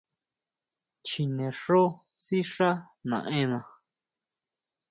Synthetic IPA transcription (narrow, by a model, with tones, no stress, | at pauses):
t͡ʃi˧nẽ˨ʂo˦ | si˦ʂa˦ | nã̰˨ʔẽ˦nã˨